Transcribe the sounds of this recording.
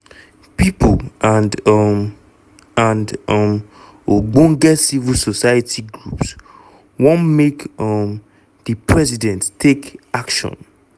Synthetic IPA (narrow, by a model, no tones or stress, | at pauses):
pipʰlãndɔm | ãndɔm | oɡ͡bõŋɡɛsivilsɔsaatʰiɡɹups | wɔ̃nmekʌm | ðəpʰɹɛzidɛ̃ntːʰekakʃɔ̰̃n